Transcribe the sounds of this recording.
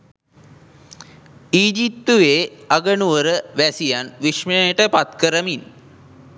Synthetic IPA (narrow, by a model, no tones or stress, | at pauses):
iːd͡ʒip̚t̪uʋeːaɡənuʋəɾəʋæsijanʋiʂməəʈəpat̪kəɾəmin